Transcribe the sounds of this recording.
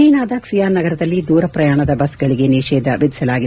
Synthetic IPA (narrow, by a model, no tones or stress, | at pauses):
iːnaːd̪aːksijaːnɐɡɐɾɐd̪ɐlːid̪uːɾɐpɾɐjaːɳɐd̪ɐbɐsɡɐɭiɡe̞niːʂɛːd̪ɐʋid̪ʱisɐlaːɡid̪